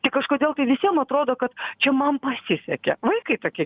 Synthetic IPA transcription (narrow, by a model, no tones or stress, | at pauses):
t̪ʲɪkɐʃkoːdʲeːlˠt̪ɐɪʋʲɪsʲiɛmɐt̪ɾoːd̪oːkɐt̪t͡ʃʲɛmɐnpɐsʲɪsʲɛkʲɛ̰ʋɐɪkɐɪt̪oːkʲiɛ